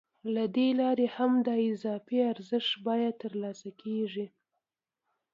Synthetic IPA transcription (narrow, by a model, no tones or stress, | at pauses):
lad̪elɑɾehamd̪əɪzɑfiaɾzəʂt̪bɑjad̪̚t̪ːəɾlɑsakʰeʐi